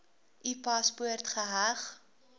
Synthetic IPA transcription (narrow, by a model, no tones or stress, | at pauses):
ʔipɐspuərtχəɦæχ